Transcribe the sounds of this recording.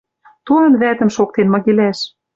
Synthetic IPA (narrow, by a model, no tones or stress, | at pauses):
t̪uɑnβæt̪ə̆mʃokt̪enmɑɣelæʃ